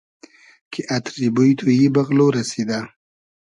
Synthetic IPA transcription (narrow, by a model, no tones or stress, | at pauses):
kʰeʔat̪ɾibojt̪ʰojibaɣloɾased̪a